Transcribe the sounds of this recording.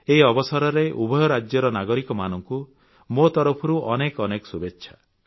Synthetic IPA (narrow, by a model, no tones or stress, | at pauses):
eiɔbɔsɔɾɔɾeʔubʱɔjɔɾad͡ʒjɔɾɔnaɡɔɾikɔmanɔŋku | mot̪ɔɾɔpʰɔɾuʔɔnekɔnekɔ̥subetːʃʰa